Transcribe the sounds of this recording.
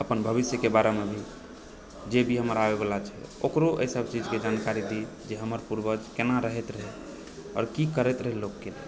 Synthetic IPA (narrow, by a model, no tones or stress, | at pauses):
əpənbʱəβisjəkebaɾemebʱi | d͡ʒebʱiɦəməɾabebalat͡ʃʰɛ̰o̰kɾoʔə̰isəb̚t͡ʃid͡ʒked͡ʒankaɾid̪i | d͡ʒeɦəməɾpuɾbəd͡ʒkenaɾəɦɛt̪ɾəɦɛ | ɔ̰ːɾkikəɾɛt̪ɾəɦɛlːokːe